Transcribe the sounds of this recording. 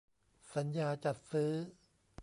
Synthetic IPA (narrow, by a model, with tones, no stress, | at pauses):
sa˩˦njaː˧t͡ɕa˨˩t̪̚sɯː˦˥